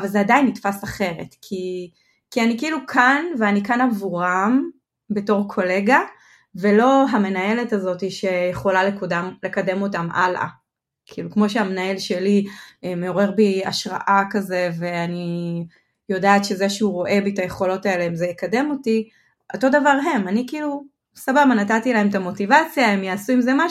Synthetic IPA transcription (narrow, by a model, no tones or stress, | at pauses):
avalzeadajinːitfasaχe̞ʁe̞̰tkʰi | kianikiiːlukʰanveanikanavuʁam | be̞to̞ʁkʰo̞le̞ɡa | ve̞lo̞ɦame̞naje̞letazo̞tiʃe̞jeχo̞lalekodamle̞kade̞mo̞tamʔa̰lʔa̰ | kʰiːlukmo̞ʃeamenaje̞lʃe̞liemeo̞ʁe̞ʁbia̰ʃʁa̰ʔakaze̞ve̞ani | jo̞daːatʃe̞zeʃeuʁo̞ʔe̞bitajeχo̞lo̞tae̞leimzejekade̞mo̞ti | ʔo̞to̞d̪avaʁɦe̞manikiːlu | sababanatatilaɦe̞mt̪amo̞tivat͡sjaemjaːsuimzema